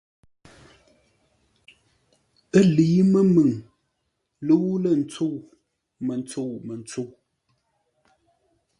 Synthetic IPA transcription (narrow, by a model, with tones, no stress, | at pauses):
ə˦li˨˦mə˦mɨ˨ŋ | lə˦wu˦lə˦˨n˨t͡so˦˨ | mə˨n˨t͡so˦˨mə˨n˦t͡so˦˨